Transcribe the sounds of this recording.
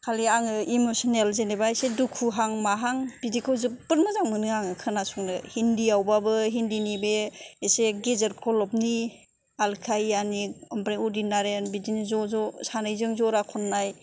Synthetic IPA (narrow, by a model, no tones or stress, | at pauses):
kʰaliaŋɯimosɔnelzenebasedukʰuɦaŋmaɦaŋb̥idikʰɯwzɯbɯɾmɯzaŋmɯnɯaŋɯkʰɯnasuŋnɯhindiawbabɯɦindinibeeseɡezeɾkʰɔlɔp̚ni | alkʰajaniɔmpɾeŋɔdinːaɾenbidinizɔzɔsanɯjzɯŋzɔɾakʰɔnːaj